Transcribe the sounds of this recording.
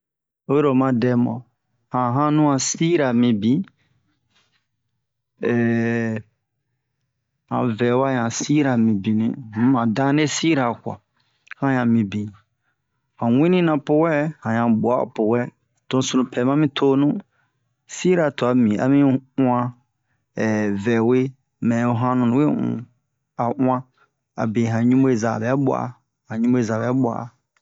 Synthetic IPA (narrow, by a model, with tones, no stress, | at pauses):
o˦je˦ɾo˨mã˦dɛ˧mɔ̰̃˨ | hã˨ɦã˦nũ˦ã˨si˦ɾa˨mĩ˨bĩ˨˦ | ɛ˨ | hã̰˨vɛ˨wa˦ɲã˨si˦ɾa˨mĩ˨bĩ˨nḭ̃˨˦mã˨dã˦ne˦si˦ɾa˨kwa̰˨ | hã˦ɲã˨mĩ˨bĩ˨ | hã˨wʷĩ˦nĩ˦nã˨po˨wɛ˦hã˨ɲã˨ɓu˨a̰˦˨po˨wɛ˦ | tõ˨˦sũ˨ũ˨pʰɛ˨mã˦mĩ˦tʰo˦nũ˦ | si˦ɾa˨to˨a˨mĩ˨a̰˨mĩ˦ũ˦ã˦ | ɛ˨vɛ˨we˦ | mɛ̃˨o˨ɦã˦nũ˨ñ˨˦we˦ṵ̃˨ | a˨ʔũ˦ã˦ | a̰˨be˨ɦã˨ɲũ˦me˦˨za˨bɛ˨˦ɓʷa̰˦˨a̰˨ | hã˨ɲũ˦me˦˨za˨bɛ˨˦ɓʷa̰˨a̰˨